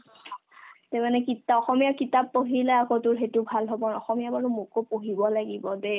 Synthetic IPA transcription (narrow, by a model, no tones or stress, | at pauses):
temanɛkitaɔxɔmijakitapːoɦilɛakotʊɹxetubʱalɦɔbɔɔxɔmijabaɹʊmukopoɦibɔlaɡibɔde